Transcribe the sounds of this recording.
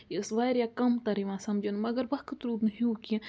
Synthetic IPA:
jisʋaːjɾjaːkɐmt̪ɐɾiʋãːsɐmd͡ʒɐnmɐɡɐɾbɐhkɨt̪ɾuːd̪nɨɦiukĩ

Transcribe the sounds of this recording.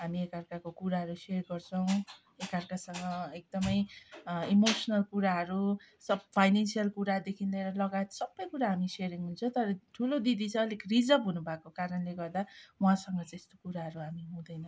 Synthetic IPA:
ɦamiekarkakokuɾaɦʌɾuserɡʌrt͡sʰʌw̃ | ekʌrkasʌŋɡʌek̚d̪ʌmʌjimosʌnʌlkuɾaɦʌɾu | sʌbpʰajnensijʌlkuɾad̪ekʰind̪ʌeɾʌlʌɡajet̪sʌbːʌjkuɾaɦamiseɾiŋɦunt͡sʰʌt̪ʌɾʌʈʰulod̪id̪it͡sʰʌ̃ʌlikrid͡zʌbɦunubʱakokaɾʌnleɡʌrd̪awãsʌŋɡʌt̪est̪o̥kuɾaɦʌɾuɦamiɦũd̪ʌjnʌ

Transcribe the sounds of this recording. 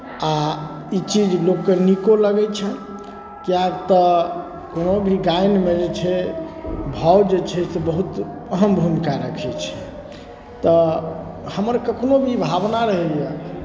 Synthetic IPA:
a | it͡ʃid͡ʒlokːenikoləɡɛt͡ʃʰɛ | kijakt̪ɔ | konobʱiɡajnmed͡ʒet͡ʃʰɛ | bʱawd͡ʒet͡ʃʰɛsebəɦut̪ | əɦəmbʱumikaɾəkʰɛt͡ʃʰɛ̥ | t̪ɔ | həməɾkəkʰnobʱibʱabnaɾəɦɛlija

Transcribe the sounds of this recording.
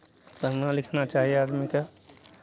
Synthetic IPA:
kəɾnalɪkʰnat͡ʃaːɦijeaːd̪mike

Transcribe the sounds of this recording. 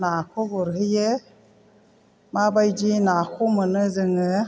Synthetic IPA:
nakʰoboɾɦɯje | mabajd͡ʒinakʰumɯnɯzɯŋɯ

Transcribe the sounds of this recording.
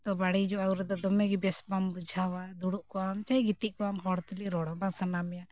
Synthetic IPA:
t̪ɔbaɽid͡ʒɔauɾɛd̪ɔd̪ɔmɛɡibɛsbambud͡ʒʱawad̪uɽuʔkɔamt͡ʃajɡit̪iʔkɔamɦɔɽt̪uliɾɔɽɔbasanamɛja

